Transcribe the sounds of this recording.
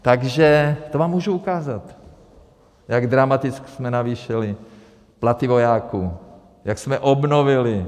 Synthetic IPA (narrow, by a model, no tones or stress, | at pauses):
t̪aɡʒɛt̪ovaːmːuːʒuukaːzat̪ | jaɡd̪ɾamat̪ɪt͡sksmɛnaviːʃɛlɪ | plat̪ɪvo̞jaːkuː | jaksmɛʔobno̞vɪlɪ